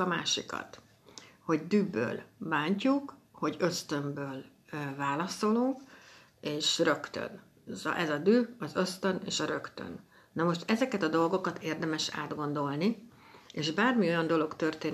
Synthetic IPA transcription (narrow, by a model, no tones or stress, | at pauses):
ɒma̰ːʃḭkɒ̰t̪ | ho̞ɟd̪yːbø̰ːlbaːɲcukho̞ɟø̞st̪ømbøːl | vaːlɒso̞luŋk | eːʃrø̞kt̪ø̰n̰ | ʔɛzɒd̪yːɒzø̞st̪ønḛːʃɒɾø̞kt̪ø̰n | nɒmo̞ʃt̪ɛzɛkɛt̪ɒd̪o̞lɡo̞kɒt̪ʰeːrd̪ɛmɛʃa̰ːd̪ɡo̞nd̪o̞lni | eːʒbaːrmio̞jɒnd̪o̞lo̞kt̪ø̞rt̪eːn